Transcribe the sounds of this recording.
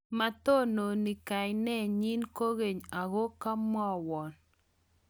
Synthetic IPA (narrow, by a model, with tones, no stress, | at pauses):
ma˨t̪o˦no˨ni˨ka˨jnɛ˦ɲi˦nko˦ɣe˨ɲa˨ɣo˦ka˦mɔ˦wɔ˨n